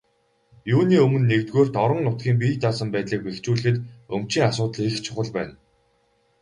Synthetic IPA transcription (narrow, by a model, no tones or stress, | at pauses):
juːniːɵmɵ̆nːekt̪ɣoːrt̪ɔɾə̆ŋnʊt̪̚ɡʲiːŋp̬iːt̪aːsə̆mpæːt̪ɮiːk̚pext͡ɕuːɮɘ̆xɘ̆t̪ɵmt͡ɕiːŋasʊːt̪ɮext͡ɕʰʊχə̆ɮpæ̰ːn